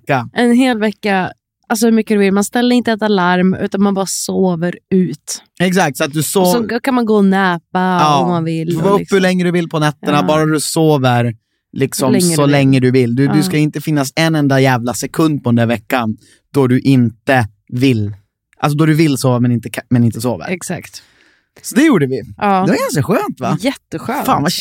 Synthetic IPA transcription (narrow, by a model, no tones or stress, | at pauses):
aʔɛnɦeːlvɛkːa | als̬ɔhɵɾmʏkːəd̪ɵvɪlmanst̪ɛlːəɾɪnt̪əɛt̪alaɾmʉ̟ːt̪anmanbɑːɾasoːvəɾʉ̟ːt̪ | ɛksak̚t̪sɔat̪̚d̪ɵsoːɔkʰanmanɡoːɔnɛːpaɑːɔmːanvɪlːvɔɵpːhʉɭɛŋːəd̪ɵvɪlpʰɔnɛt̪ːəɳabɑːɾad̪ɵsoːvəɾ | lɪksɔmmsɔlɛŋːəd̪ɵvɪlːd̪ɵd̪ɵskaɪnt̪əfɪnːasɛnːɛnd̪ajæːvlasɛkʰɵnd̪̚pɔdənd̪əɾvɛkːan | d̪ɔɖ̪ɵʔɪnt̪ə | vɪlː | ʔals̬ɔd̪ɔd̪ɵvɪlsoːvamɛnɪnt̪əkʰmɛnɪnt̪əsoːvə̰ɾɛksa̰kt̪ | sɔd̪ɛjuːɖəvɪɑːd̪ɛvaɾɡans̬kaɧøːnt̪vajɛt̪ːəɧøːfa̰ːnva